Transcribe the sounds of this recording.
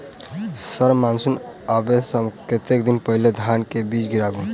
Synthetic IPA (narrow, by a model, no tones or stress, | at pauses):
səɾmaːnsunabesəbket̪ekd̪inpəɦled̪ʱaːnkebiːt͡ʃɡiɾaːbũ